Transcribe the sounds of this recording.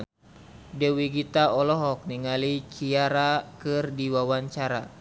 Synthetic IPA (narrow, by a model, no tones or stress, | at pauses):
dɛwiɡit̪aɔlɔɦɔk̚niŋalit͡ʃiaɾakɨrdiwawaɲt͡ʃaɾa